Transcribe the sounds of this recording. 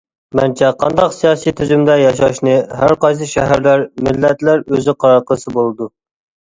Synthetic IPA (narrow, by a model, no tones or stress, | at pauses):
mæ̰nt͡ʃʰɛqʰɑ̰nd̪ɑqsijɑːsijt̪ʰyzymd̪ɛjɑʃɑʃnɨɦæɾqɑjs̬ɨʃɛɦæɾlæɾmɪlːɛt̪læɾøzɪqʰɑɾɑɾqʰəsɨbolˠɨd̪u